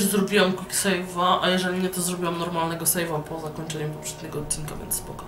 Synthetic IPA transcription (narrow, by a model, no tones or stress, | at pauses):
zɾɔbʲiwamkiksɛjvaʔajɛʐɛlʲiɲɛt̪ɔzɾɔbʲiwamnɔɾmalnɛɡɔsɛjvapʰɔzakɔɲt͡ʂɛɲɛpɔpʂɛd̪̚ɲɛɡɔːt̪̚t͡ɕʲːinka̰vʲjɛ̰nt̪spɔkɔ̥